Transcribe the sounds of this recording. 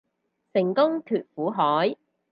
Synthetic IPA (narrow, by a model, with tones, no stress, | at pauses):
sɪ˨˩ŋkʊ˥ŋt̪ʰyː˨t̚fuː˨˥ɦɔː˨˥j